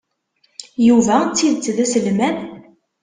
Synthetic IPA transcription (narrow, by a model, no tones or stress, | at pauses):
juvæt͡sːiðt͡sːðæsəlmæn